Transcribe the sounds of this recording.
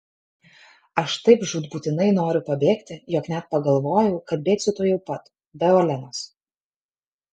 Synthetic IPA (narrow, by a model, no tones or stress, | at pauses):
ɐʃt̪ɐɪpʒuːd̪buːt̪ʲɪnɐɪnoːɾʲʊpɐbʲeːkt̪ʲɪjɔːknʲæt̪̚pɐɡɐlˠʋoːjɛʊkɐlʲbʲeːt̪sʲɪt̪oːjɛʊpɐt̪ | bʲɛolʲɛnoːs